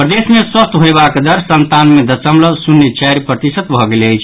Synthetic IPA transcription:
pɾəd̪esmeswəst̪ɦojbakd̪əɾsənt̪anmed̪əsəmləbsunːet͡ʃɛɾpɾət̪isət̪bʱɔɡeleəjt͡ʃʰ

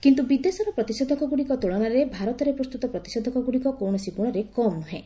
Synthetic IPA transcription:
kint̪ubid̪esɔɾɔpɾɔt̪isɔd̪ʱɔkɔɡuɽikɔt̪uɭɔɽ̃aɾebʱaɾɔt̪ɔɾepɾɔst̪ut̪ɔpɾɔt̪i̥sɔd̪ʱɔkɔɡuɽikɔkowɳɔsibuɽ̃ɔɾekɔmuɦẽ

